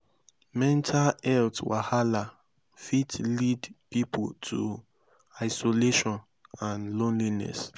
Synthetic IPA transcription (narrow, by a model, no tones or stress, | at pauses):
mɛ̃ntʰalɛltwahala | fitlidpipʰo̰tʰṵ | aɪsoleʃɔ̃n | ãnlõnlinɛ̰s